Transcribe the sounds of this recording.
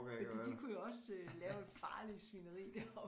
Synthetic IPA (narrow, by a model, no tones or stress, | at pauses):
d̥ḭd̥ikʰujaɒ̽sølɛːʊe̝d̥fɑ̈ːlisʋinəʁḭːd̥æɐɒ